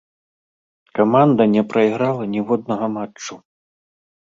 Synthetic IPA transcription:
kamand̪ɐnʲɛpɾɐiɣɾalˠɐnʲɛvɔd̪nɐɣɐmat͡ʂːu

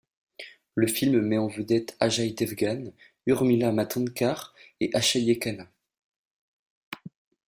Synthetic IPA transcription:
ləfilmmɛɑ̃vəd̪ɛt̪aʒajd̪ɛvɡan | yʁmilamat̪ɑ̃nkaʁeʔaʃaljekana

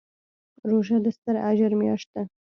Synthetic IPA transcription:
ɾoʒad̪əst̪əɾaʒəɾmjɑ̰ʃt̪̚a

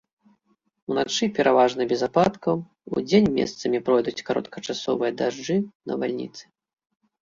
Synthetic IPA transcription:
unat͡ʂɨpʲɛɾʔavaʐnɨbʲɛzapat̪kɐw | ṵd͡zʲenʲmʲḛst̪sɐmʲipɾɔjd̪ut͡sʲkaɾɔ̰t̪kʰɐt͡ʂasɔvɨjɐd̪aʐd͡ʐɨnɐ̰valʲnʲḭt̪sɨ̥

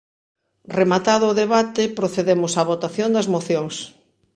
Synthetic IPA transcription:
remat̪aðoːðeβat̪epɾoθeðemʊsaβot̪aθjond̪ɐzmoθjoŋs

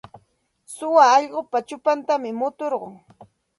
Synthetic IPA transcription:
sʊwaːʎɢopat͡ʃʊpant̪amɪmʊt̪oɾɢo̰ŋ

